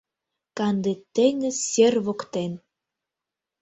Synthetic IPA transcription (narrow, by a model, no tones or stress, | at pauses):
kɑnd̪et̪ːeŋə̆serβokt̪en